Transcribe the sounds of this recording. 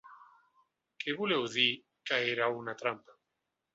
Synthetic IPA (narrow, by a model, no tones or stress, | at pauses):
kʰeβuleuði | kaeɾaunat̪ɾampa